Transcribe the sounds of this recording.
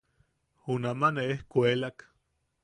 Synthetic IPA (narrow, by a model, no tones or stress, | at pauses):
unamaneehkʷelak